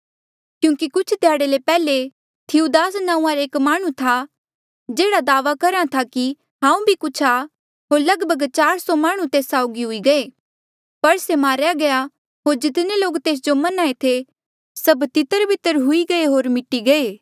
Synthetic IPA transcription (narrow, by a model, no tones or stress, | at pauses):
kjũːkikʊt͡ʃʰt̪jaːɽelepɛːle | t̪ʰɪud̪aːsnãːũːãɾeːkmaːɽ̃ũt̪ʰa | d͡ʒeːɽad̪aːʋakɐɾãt̪ʰaki | ɦãːũbʱikʊt͡ʃʰa | ɦoːɾlɐɡbʱəɡt͡ʃaːɾsɔmaːɽ̃ũt̪eːsaːʊɡiɦʊiɡɐeː | pɐɽsemaːɾjaɡɐja | ɦoːɾd͡ʒɪt̪neloːkt̪eːs̬d͡ʒomɐnaːet̪ʰe | sɐbt̪ɪt̪əɾbʱɪt̪ːəɾɦʊiɡɐeɦoːɾmɪʈːiɡɐeː